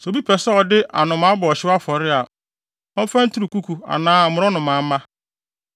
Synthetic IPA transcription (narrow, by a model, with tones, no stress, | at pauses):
sɛ˨bi˦pʰɛ˨sɛ˦ɔ˨dɪ˦ʔa˨nʊ̃˨mã˨˦bɔ˨ɔ˨ɕɪ˦a˦fɔ˨ɾɪ˦a˨ | ɔ˦fã˦n̩˦tʰu˦ɾu˨ku˦kʰu˨a̰˨nãː˦˨mʊ̃˦ɾɔ˦nʊ̃˨mã˨˦mã˦